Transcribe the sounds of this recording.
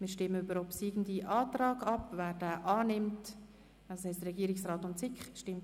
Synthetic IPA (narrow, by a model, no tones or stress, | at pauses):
mɪːɾʃtɪmːəybəɾɔpsiːɡn̩diʔɑːtrɑːɡɑpvæːɾd̥æːʔɑːnɪmt | ashɛɪst̪ɾɛɡiəɾɪksraːtʊntt͡sɪkχʃtɪmt